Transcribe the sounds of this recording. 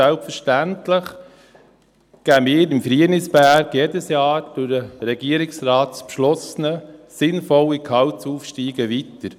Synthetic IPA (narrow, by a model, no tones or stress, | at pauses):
ælpfəɾʃtæntləχ | ɡ̥æːmɪːɾɪmfɾiənɪsbæːɾɡjeːdəsjɑːɾd̥ʊdəɾɛɡiəɾɪksɾɑːtspʃlɔsənəsɪnfɔlːikʰɑwt͡suːfʃtiːɡəʋitəɾ